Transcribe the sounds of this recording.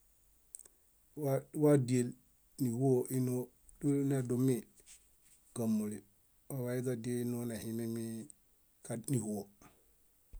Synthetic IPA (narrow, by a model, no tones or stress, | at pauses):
wawadiel | nihoʔino | dunadumi | ɡamːuli | wawaiɡadenonahimemi | kaniho